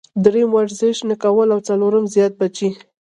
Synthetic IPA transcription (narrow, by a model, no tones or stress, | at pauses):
d̪ɾemwaɾzɪʃnəkawəlawt͡saloɾəmzjɑt̪̚bat͡ʃi